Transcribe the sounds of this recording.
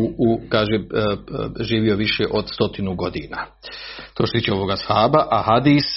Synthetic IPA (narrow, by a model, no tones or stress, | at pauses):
ukaːʒe | ʒiːʋio̞ʋiʃeʔo̞d̪st̪ot̪inuɡo̞d̪iːnaː | t̪o̞ːt͡ʃest̪iːt͡ʃʲeo̞ʋoɡashaːbaʔahad̪iːs